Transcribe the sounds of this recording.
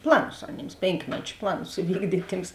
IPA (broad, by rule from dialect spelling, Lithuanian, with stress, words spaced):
ˈplˠɑːˌnʊs ɐˈnʲeːms ˈpʲeːŋkmʲɛt͡ʃʲ ˈplˠɑːˌnʊs ɪˈʋʲiːɡdʲiːtʲ ˈtʲiːms